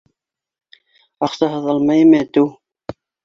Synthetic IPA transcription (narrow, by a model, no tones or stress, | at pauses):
ɑqsɑɦɤðɑlˠmɑjemæt̪ɘw